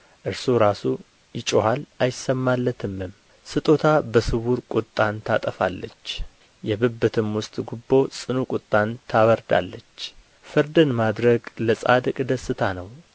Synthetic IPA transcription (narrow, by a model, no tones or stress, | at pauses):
ʔɨɾsuɾasu | jɪt͡ʃʼohalajɪsːəmːalːət̪ʰɨmːɨm | sɨt̪ʼot̪ʰabəsɨβuɾkʼʊt̪ʼːant̪ʰat̪ʼəfa̰lːə̰t͡ʃː | jɛbɨbːɨt̪ʰɨmwʊst̪ʼɡubːo̞sʼɨnukʼʊt̪ʼːant̪ʰaβəɾd̪a̰lːət͡ʃː | fɨɾd̪ɨnmad̪ɾəɡləsʼa̰d̪ɨkʼd̪əsɨt̪ʰanəw